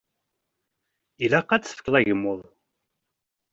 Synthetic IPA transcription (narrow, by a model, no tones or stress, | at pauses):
ilæqːæt͡sːə̥fkːlˤæʝəmːoðˤ